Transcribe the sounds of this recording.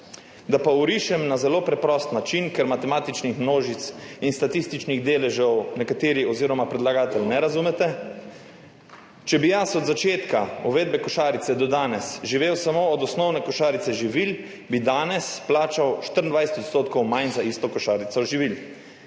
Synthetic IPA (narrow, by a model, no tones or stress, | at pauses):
d̪apauɾiʃɛmnazɛloːpɾɛpɾɔst̪nat͡ʃinkɛɾmat̪ɛmaːt̪it͡ʃnixmnoːʒit̪sinst̪at̪ist̪it͡ʃniɣd̪eːlɛʒɛwnɛkat̪eːɾiɔziːɾɔmapɾɛd̪laɡaːt̪ɛlʲnɛɾazumɛt̪ɛ | t͡ʃɛbijasɔd̪zat͡ʃeːt̪kauʋeːd̪̚bɛkɔʃaːɾit̪sɛd̪ɔd̪aːnɛsʒiʋeːwsamoːd̪ɔsnɔwnɛkɔʃaːɾit̪sɛʒiʋil | bid̪aːnɛsplaːt͡ʃawʃt̪əɾnd̪ʋajsɛ̥t̪ɔt̪st̪oːt̪kɔwmajnzaist̪ɔkɔʃaːɾit̪sɔʒiʋil